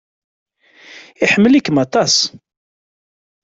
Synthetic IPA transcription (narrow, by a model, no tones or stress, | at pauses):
iħəmːəlikːəmɑt̪ˤɑs